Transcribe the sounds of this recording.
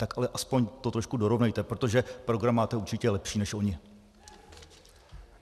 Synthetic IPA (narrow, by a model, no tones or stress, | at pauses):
t̪akʔalɛʔaspo̞ɲt̪ot̪ɾo̞ʃkudo̞ɾo̞vnɛjt̪ɛpɾo̞t̪o̞ʒɛpɾo̞ɡɾamːaːt̪ɛuɾt͡ʃɪcɛlɛpʃiːnɛʃʔo̞ɲɪ